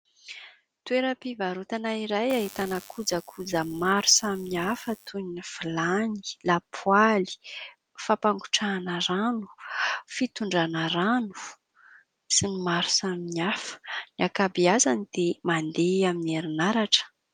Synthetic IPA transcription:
t̪ueɾəpivaɾut̪anaiɾajaɦit̪anəkʰud͡zakʰud͡zəmaɾusaminiafət̪ʰuɲinifilani̥lapʰwali̥ | fapaŋɡuʈ͡ʂanəɾanu̥fit̪uɳɖ͡ʐanəɾanu̥ | sinimaɾu̥saminiafə̥niakabiazanid̪̥emand̪eamineɾinaɾaʈ͡ʂə̥

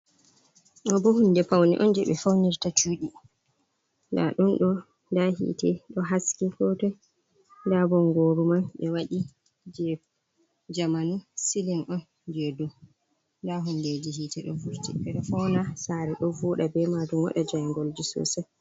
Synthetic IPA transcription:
ʔɔbɔhundɛpawnḭʔɔnd͡ʒɛɓɛfawniɾtat͡ʃuːɗi | nda̰ɗunɗɔ | ndahḭːtɛɗɔɦaskikɔtɔj | ndabɔŋɡoːɾumanɓɛwaɗi | d͡ʒɛ | d͡ʒamanusilinʔɔn | d͡ʒɛdu | ndaɦunded͡ʒihiːtɛɗɔ̰vuɾtḭɓɛɗɔfawnasaɾɛɗɔvuːɗabɛmadumwa̰ɗad͡ʒajŋɡɔld͡ʒisɔ̰ːsɛ

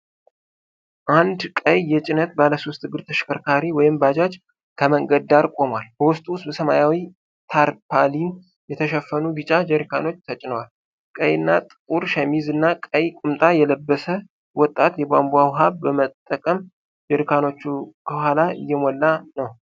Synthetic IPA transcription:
ʔand̪kʼəjːɛt͡ʃʼɪnət̪̚baləso̞st̪ːɨɡɨɾt̪ʰəʃkʰəɾkʰaɾiwɔjɪmbad͡ʒat͡ʃ | kʰəməŋɡəd̪d̪aɾkʼo̞mwalbəwʊst̪ʼuʊsbəsəma̰jawi | t̪ʰaɾpʰalin | jɛt̪ʰəʃɛfːənuɡɨt͡ʃʼad͡ʒɛɾikʰa̰no̞t͡ʃːt̪ʰət͡ʃʼɪnəwal | kʼəjɨnːat̪ʼɨkʼuɾʃɛmizɨnːakʼəjkʼʊmt̪ʼajɛləbːəsə | wɔt̪ʼːat̪jɛbambuawɦaβbəmət̪ʼːəkʼəm | d͡ʒɛɾikʰano̞t͡ʃːukʰəhalaɪ̰jːɛmɔlːanəw

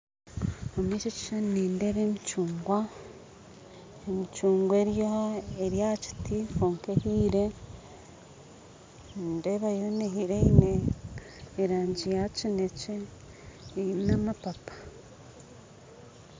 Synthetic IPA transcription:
omit͡ʃeci̥ʃanniːndeβemit͡ʃuːŋɡwa | emit͡ʃuːŋɡweɾjoeɾjaci̥tifoːŋkehiːɾe | ndeβajoneɦiɾeineː | ɾaːɲɟijacine̞t͡ʃe | namapapḁ

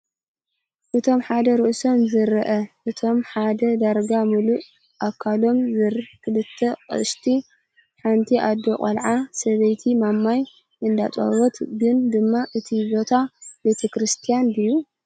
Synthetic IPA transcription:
ʔɨt̪ʰo̞mħad̪ɐɾɨʔso̞mzɨɾɨʔɐʔɨt̪ʰo̞mħad̪ɐd̪aɾɡamuluʔ | ʔakʰːalo̞mzɨɾkʰɨlɨt̪ʰːɐkʼɨ̰ʃt̪ʰi | ħant̪ʰiʔad̪ːokʼɐ̰lʕasɐβɐjt̪ʰimamːaj | ɨnd̪at͡sʼɐ̰wɔt̪ɡɨnd̪ɨmːaʔɨt̪ʰibo̞t̪ʰabe̞t̪ʰɐkɾɨst̪ʰijand̪ɨjːu

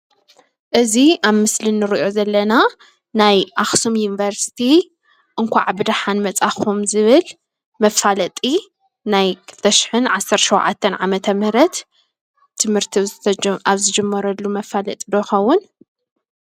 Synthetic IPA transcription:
ʔɨziʔaβmɨslinːɨɾiʔo̞zɐlːɐna | najʔaxsumjunivɐɾsi̥t̪ʰi | ʔɨŋkʷa̰ʕabɨd̪aħanmɐt͡sʼaxumzɨβɨl | mɐfalɐt̪ʼi | najkʰɨ̥lt̪ʰɐʃɪ̥ħɨnʕasːɐɾt̪ʃowʕa̰t̪ʰːɐnʕamɐt̪ʰɐmhɾɐt̪ʰː | ɨmhɨɾt̪ʰiaβzɨd͡ʒɐmːɐɾɐlːumɐfalɐ̰t̪ʼid̪oxɐwːʊn

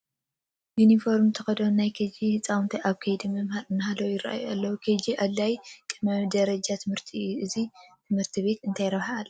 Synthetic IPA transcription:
junifo̞ɾmt̪ʰɐxɐd̪onajkʰɐd͡ʒihɨt͡sʼawnt̪ʰɐʔaβkʰɐjd̪imɐmhaɾɨnːaɦalɐwjɪɾa̰ʔa̰ja̰lːɐwukʰɐd͡ʒiʔalːajt̪ʼɨmɐd̪ɐɾɐd͡ʒat̪ʰɨmhɨɾt̪ʰiuʔɨzit̪ʰɨmhɨɾt̪ʰiβe̞t̪ɨnt̪ʰajɾɐβhaːlː

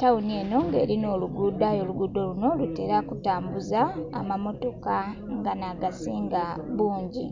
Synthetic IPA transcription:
taunie̞no̞ŋɡe̞̰ːɾino̞ːluɡudajo̞ːluɡudo̞luno̞lute̞̰ːɾakutaːmbuza̰ːmamo̞to̞ka | ŋɡanaɡasiːŋɡaβuːɲɟḭ

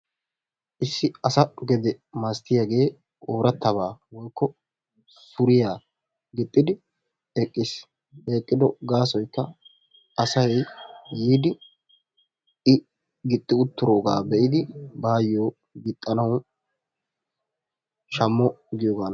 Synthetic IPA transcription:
ʔɪsːɪɐsɐɡɛd̪ɛmast̪ɪjaɡe̞ː | oːɾɐt̪ːɐβaːwɔjkːɔ | sʊɾɪjaː | ɡɪt̪ʼːɪd̪ɪ | eːkʼːɪs | eːkʼːɪd̪ɔɡaːsɔjkːɐ | ɐsɐjː | iːd̪ɪ | ɪ | ɡɪt̪ʼːɪʊt̪ːʊɾoːɡa̰ːbɛʔɪd̪ɪbaːjːoː | ɡɪt̪ʼːɐnɐw | ʃɐmːɔɡɪjoːɡaːn

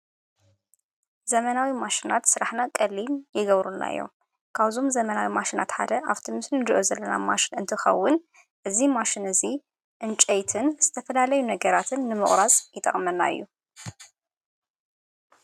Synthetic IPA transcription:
zɐmɐnawimaʃinat̪sɨɾaħnakʼɐlːinjɪɡɐβɾunːa̰ɨ̰jːo̞̰m | kʰaβzo̞mzɐmɐnawimaʃinat̪ħa̰d̪ɐʔaβt̪ʰimɨslɨnd̪ɨʔozɐlːɐna̰maʃɪnɨnt̪ʰɨxɐ̰wːʊn | ʔɨzimaʃinɨzi | ʔɨnt͡ʃʼejt̪ʰɨnz̥ɨt̪ʰɐfɐlalɐjunɐɡɐɾat̪ʰɨnːɨmɨχʼɾazʼjɪt̪ʼɐ̰χʼmɐnːa̰ɨ̰jːu

